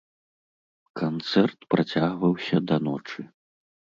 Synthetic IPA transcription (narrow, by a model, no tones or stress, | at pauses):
kant̪sɛrt̪pɾat͡sʲaɣvɐwsʲɐd̪ɐnɔt͡ʂɨ